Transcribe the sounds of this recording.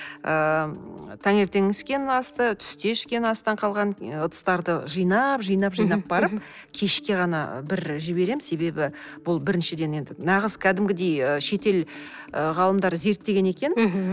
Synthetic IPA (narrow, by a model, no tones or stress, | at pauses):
ə | t̪ʰɑŋe̞ɾt̪e̞ŋɪskʲe̞nɑst̪ət̪ʰʏ̥st̪e̞ʃkʲe̞nɑst̪ɑɴqʰɑlˠʁɑnət̪ə̥st̪ɑɾd̪əʒɨjnɑpʒijnɑpʒijnɑp̚bɑɾəp̚ | kʲʰe̞ʃkʲe̞ʁɑnɑ̰bɪɾʒɪbe̞ɾe̞mse̞be̞bɪ | b̥ʊlˠbɪɾɪnʃɪd̪e̞ne̞nd̪ɪnɑʁəz̥kʲʰæd̪ɪmɡʲɪd̪e̞jəʃe̞t̪e̞l | əʁɑlˠəmd̪ɑɾze̞ɾt̪ːe̞ɡʲe̞ne̞kʲe̞n